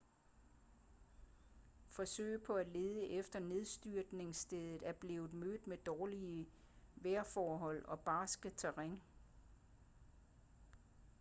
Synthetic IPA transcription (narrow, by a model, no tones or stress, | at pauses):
fɒ̽sø̰ːɪ̰pʰɒ̽æle̝ːðˠəʔefd̥ɐne̝ð̞ˠsd̥yɐ̰d̥ne̝ŋsd̥eð̞ˠð̩ˠæɐb̥le̝ːʊð̩ˠmød̥ˠmed̥ɒːliə | ʋeɐfɒːɦɒ̽l̰ɒ̽b̥ɑ̈ːsɡ̥ət͡sʰæʁeŋ